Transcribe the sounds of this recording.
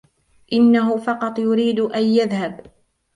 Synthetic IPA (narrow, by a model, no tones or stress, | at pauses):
ʔɪnːaɦʊfɑqɑt̪ˤjʊɾiːd̪ʔanjaðhab